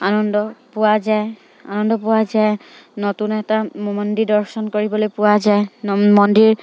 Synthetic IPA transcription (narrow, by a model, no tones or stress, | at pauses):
anɔndɔpʊwazaj | anɔndɔpʊwaza | notunɛtamɔndidɔɹsɔnkoɹibɔlojpʊwazajmɔndiɹ